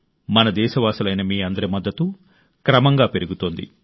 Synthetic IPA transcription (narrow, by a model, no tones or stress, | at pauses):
mɐnɐd̪ɛːʃɐʋaːsɐlɐjnɐmiːɐnd̪ɐɾimɐd̪ːɐt̪u | kɾɐmɐŋɡaːpe̞ɾuɡut̪o̞ːnd̪ḭ